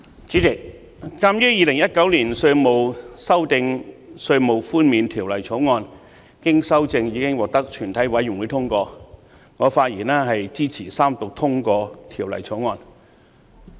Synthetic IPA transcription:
t͡siː˨˥t͡sɪ˨˩k̚ː | aː˥mjyː˥jiː˧lɪ˨˩ŋjɐ˥t̚kɐ˨˥wliː˨˩nsɵ˧mo˨˧wsɐ˥wt̪ɪ˧ŋsɵ˧ɥmo˨˩wfuː˥nmiː˨˧nt̪ʰiː˨˩wlɐ˨˩jt͡sʰo˨˥wŋɔː˧n | kɪ˥ŋsɐ˥wt͡sɪ˧ŋjiː˨˧kɪ˥ŋwɔː˨k̚t̪ɐ˥k̚t͡ʃʰyː˨˩nt̪ʰɐ˨˥jwɐ˨˥jɪ˨˩ŋwu˨˧˥t̪ʰʊ˥ŋkɔː˧ | ŋɔː˨˧faː˧t̚jḭː˨˩nɛː˥ɦɐ˨jt͡siː˥t͡sʰiː˨˩saː˥mt̪ʊ˨k̚t̪ʰʊ˥ŋkɔː˧t̪ʰiː˨˩wlɐ̰˨˩jt͡sʰo˨˥wŋɔː˧n

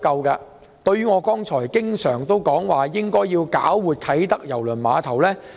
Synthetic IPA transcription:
kɐ˧wkɐː˧ | t̪ɵ˧ɥyː˥ŋɔː˨˧kɔː˥ŋt͡ʃʰɔː˨˩jkɪ˥ŋsœː˨˩ŋt̪o˥wkɔː˨˥ŋwaː˨˩jɪ˥ŋkɔː˥jjiː˧wkaː˨˥wːuː˨t̚t̪ʰɐ˨˥jt̪ɐ˥k̚jɐ˨˩wlɵ˨˩nmaː˨˧t̪ʰɐ˨˩wlɛː˥

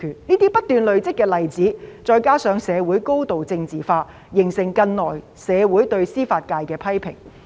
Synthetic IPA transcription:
kʰyː˨˩nniː˥t̪iː˥pɐ˥t̚t̪yː˨nlɵ˨ɥt͡sɪ˥k̚kːɛː˧lɐ˨˩jt͡siː˨˥t͡ʃɔː˧jkaː˥sœː˨˧ŋsɛː˨˧wuː˨˥jko˥wt̪o˨wt͡sɪ˧ŋt͡siː˨˩faː˧ | jɪ˨˩ŋsɪ˨˩ŋkɐ˧nlɔː˨˩j | sɛː˨˧wuː˨˥jt̪ɵ˧ɥsiː˥faː˧t̚kaː˧jkɛː˧pʰɐ˥jpʰɪ̰˨˩ŋ

